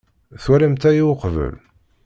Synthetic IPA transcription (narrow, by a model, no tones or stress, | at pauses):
θuɾimt̪æjiwqvə̰l